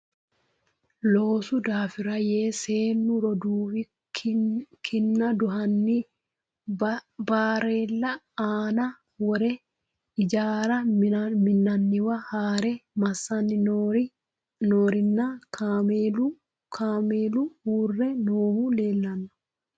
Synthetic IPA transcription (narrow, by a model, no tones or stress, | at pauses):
loːsʊd̪aːfɪɾɐjeːseːnːʊɾɔd̪uːfɪ | kʰɪnːɐd̪ʊhɐnːɪ | baːɾeːlːɐ | aːnɐ | wɔɾɛ | ɪd͡ʒaːɾɐmɪnːɐnːɪwɐhaːɾɛmɐsːɐnːɪ | noːɾɪnːakʰaːmeːlu | kʰaːmeːluhuːrːɛnoːhuːle̞ːlːɐnːʊ̥